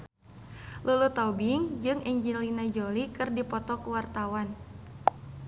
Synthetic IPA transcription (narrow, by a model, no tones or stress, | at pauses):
lulut̪abiŋd͡ʒɨŋɛɲd͡ʒilinad͡ʒolikɨrdipɔt̪ɔkuwart̪awan